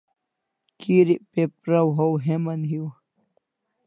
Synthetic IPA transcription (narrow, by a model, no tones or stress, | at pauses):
kiɾiʔpepɾawɦowɦemɐnɦiw